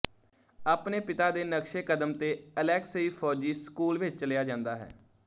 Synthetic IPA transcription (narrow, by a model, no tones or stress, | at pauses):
aːpneːpɪt̪aːd̪eːnəkʃeːkəd̪əmt̪eːəlɛːksiːpʰɔːd͡ʒiːskuːlʋɪt͡ʃt͡ʃəlɪjaːd͡ʒãːnd̪aːɦɛ̰ː